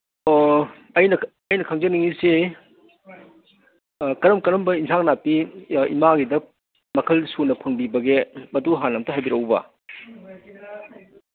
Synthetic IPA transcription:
ɐjnɐ | ɐjnɐkʰɐŋzɐniŋise | kɐɾɐmkɐɾɐmbɐinsʰaŋnapiḭmaɡidɐ | mɐkʰɐlsunɐpʰɐŋbibɐɡemɐduɦanɐmtɐɦajbiɾɐwbɐ̰

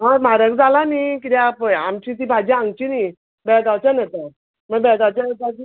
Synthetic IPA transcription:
ɦamaɾəkd͡zalanikit̪iapamt͡ɕit̪ibʱad͡ʑiãŋɡt͡ɕini | bɛɡawt͡ɕanat̪ə | məɡbɛɡawt͡ɕaɡad͡ʑi

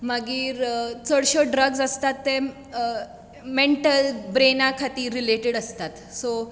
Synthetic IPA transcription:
maɡiːɾt͡səɽɕəɖɾəɡsəst̪at̪ːe | meɳʈəlbɾenakʰat̪iːɾːileʈeɽəst̪at̪so

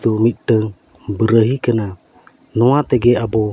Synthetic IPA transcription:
t̪umit̪̚ˀɖəŋ | bəɾəɦikəna | nɔat̪ɛɡɛabɔ

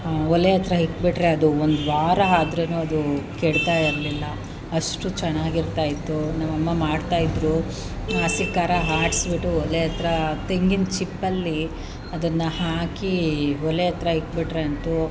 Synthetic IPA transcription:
ɔlejɐt̪ɾɐɦikbiʈɾe̞ɐd̪uond̪ʋaːɾɐaːd̪ɾeːnuːɐd̪ukeɽt̪aːjiɾɐlilːɐ | ɐʂʈut͡ʃɛnaːɡiɾt̪aːjit̪ːunɐʋɐmːɐmaːɖt̪aːjid̪ɾu | aːsikaːɾɐɦaːɾʈsbiʈːuɔlejɐt̪ɾɐt̪eŋɡint͡ʃipːɐlːi | ɐd̪ɐnːɐhaːkiɔlejɐt̪ɾɐɦik̚ːbiʈɾe̞ɐnt̪u

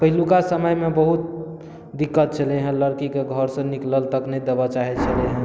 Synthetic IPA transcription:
pəɦilukasəməjmebəɦut̪̚ | d̪ikːət̪̚t͡ʃʰəleɦə̃ləɾkikeɡʱəɾsə̃nikləlt̪əknɛjd̪ebat͡ʃaɦɛt͡ʃʰəleɦə̃

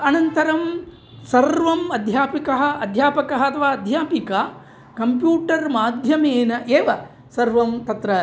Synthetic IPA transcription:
ɐnɐnt̪ɐɾɐm | sɐɾʋɐmɐd̪ʱjaːpikɐɦɐ̆ɐd̪ʱjaːpɐkɐɦɐɐt̪ɐʋaːɐd̪ʱjaːpika | kɐmpjuːʈɐɾmaːd̪ʱjɐmeːnɐʔeːʋɐ | sɐɾʋɐmt̪ɐt̪ɾɐ

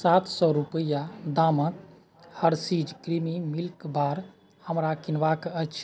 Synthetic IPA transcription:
sat̪ʰsɔɾupəjad̪amət̪ | həɾsid͡ʒkɾimimilkbaɾ | həmɾakinʋakət͡ʃʰ

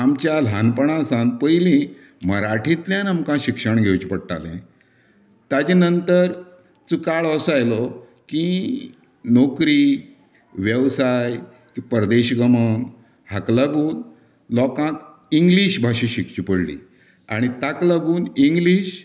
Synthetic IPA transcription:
amt͡ɕjalanpəɳ̃ãsãnpəjlĩ | məɾaʈʰĩt̪ljãnamkãɕikʂəɳɡʱewt͡ɕipəɽʈ̪a̰lɛ̰̃ | t̪ad͡ʑinənt̪əɾ | t͡sukaɭəsajlɔ | ki | nokɾi | ʋjəʋsaj | kipəɾd̪eɕɡəməŋ | haklaɡũːn | lɔkãk | iŋɡliɕbʱaɕĩɕikt͡ɕipəɽlḭː | a̰ɽ̃it̪aklaɡuːniŋɡliːɕ

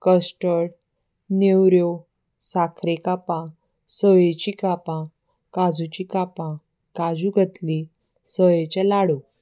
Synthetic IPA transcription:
kəsʈəɽ | newɾjo | sakʰɾekapã | səjet͡ɕikapã | kad͡zut͡ɕikapã | kad͡zuɡʱət̪li | səjet͡ɕalaɽu

